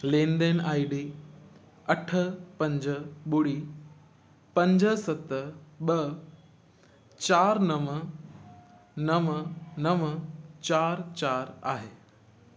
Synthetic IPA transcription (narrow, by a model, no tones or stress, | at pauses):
lẽːnd̪enaːiɖiː | ɐʈʰə̆pɐ̃ɲd͡ʑəɓʊɽi | pɐ̃ɲd͡ʑəsɐt̪ɓɐ | t͡ɕaːɾnɐmə | nɐmənɐmət͡ɕaːɾt͡ɕaːɾa̰ːɦeː